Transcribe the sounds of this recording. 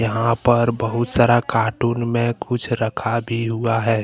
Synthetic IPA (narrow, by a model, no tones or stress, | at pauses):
jəɦãpəɾbəɦʊt̪saːɾakaːʈuːnmẽkʊt͡ʃʰɾəkʰabʱiɦuaɦɛː